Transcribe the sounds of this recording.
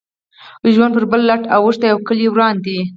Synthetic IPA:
ʒwand̪pəɾbəlːaʈawuʂt̪ajawkəlewɾɑnd̪i

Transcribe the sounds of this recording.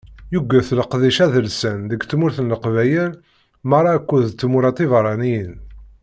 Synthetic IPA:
juɡʷːæθləqðiʃæðəlsənðəɡt͡sːmʊɾθənləqvæjəɾ | mɑrˤɑkʷːuðt͡sːmʊɾɑt̪ˤivɾˤɑnijən

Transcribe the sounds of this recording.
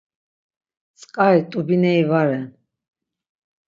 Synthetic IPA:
t͡sʼqʼait̪ʼubinɛivaɾɛn

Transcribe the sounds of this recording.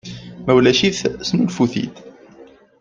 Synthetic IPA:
mæwlæʃiθsnulfuθḭt̪

